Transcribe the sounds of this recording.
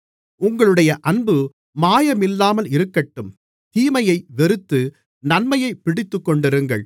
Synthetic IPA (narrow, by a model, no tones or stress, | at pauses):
ʊŋɡɐɭɯɽɐjɐʔɐnbɯ | maːjɐmɪlːaːmɐlɪɾɯkːɐʈːɯm | hiːmɐjɐɪʋɛɾɯt̪ːɯ | nɐnmɐjɐɪpːɪɽɪt̪ːɯkːɔɳɖɪɾɯŋɡɐ̰ɭ